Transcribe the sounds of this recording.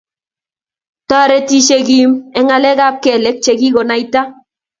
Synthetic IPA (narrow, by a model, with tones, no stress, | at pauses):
ta˦ɾɛ˦ti˦ʃe˨ɡi˦mɛ˨˦ŋa˨lɛ˦ɡa˦p̚kɛ˨lɛ˦k̚t͡ʃɛ˨ɡi˦ɡɔ˨na˨i˦ta˦